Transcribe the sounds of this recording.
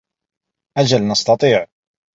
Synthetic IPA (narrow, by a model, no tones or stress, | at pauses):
ʔad͡ʒalnɑst̪ɑt̪ˤiːʕ